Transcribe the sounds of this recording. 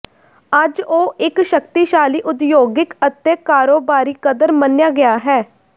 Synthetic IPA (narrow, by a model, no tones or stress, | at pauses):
əd͡ʒoːʔɪkʃəkt̪iːʃaːliːʔʊd̪joːɡɪkət̪eːkaːɾoːbaːɾiːkəd̪əɾmənjaːɡɪjaːɦɛː